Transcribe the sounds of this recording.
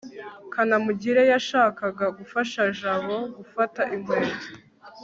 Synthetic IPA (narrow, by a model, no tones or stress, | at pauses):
kʰanamuɟiɾe̞jaʃaːkaɡaɡufaʃaʒaβo̞ɡufataʔimweːo